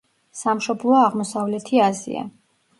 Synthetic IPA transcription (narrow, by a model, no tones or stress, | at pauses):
samʃɔblˠɔaʁmɔsavlɛt̪ʰiazḭa̰